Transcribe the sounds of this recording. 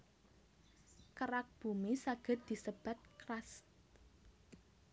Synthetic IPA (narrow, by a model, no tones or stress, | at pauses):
kəɾak̚b̥ṳmisaɡ̥ə̤t̪̚d̪̥i̤səb̥a̤t̪̚kɾas